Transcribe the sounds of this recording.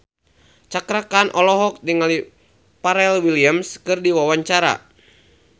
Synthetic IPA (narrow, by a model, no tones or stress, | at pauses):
t͡ʃakɾakanʔɔlɔɦɔk̚diŋali | paɾɛlwiliamskɨrdiwawaɲt͡ʃaɾa̰